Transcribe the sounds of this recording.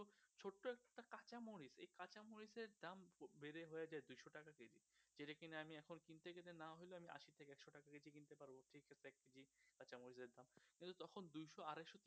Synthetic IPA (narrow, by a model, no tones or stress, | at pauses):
ot͡ɕʰoʈːoɛk̚ʈakat͡ɕamoɽisḛjkat͡ɕamoɽiseɾd̪ambeɾeɦoead͡ʑaed̪ujʃoʈakaked͡ʑḭd͡ʑeʈakineamiɛkʰonkint̪eɡelenaɦojloamiʔa̰ʃiɾt̪ʰekeɛkʃoʈakaked͡ʑʰikint̪epaɾboʈʰikeseɛkːed͡ʑikat͡ɕamoɾiseɾd̪amkkint̪ut̪ɔkʰond̪ujʃoaɾeʃot̪i